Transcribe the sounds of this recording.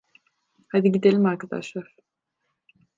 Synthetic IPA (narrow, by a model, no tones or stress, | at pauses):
had̪iɟid̪elʲimaɾkʰad̪a̰ʃlˠaɾ̥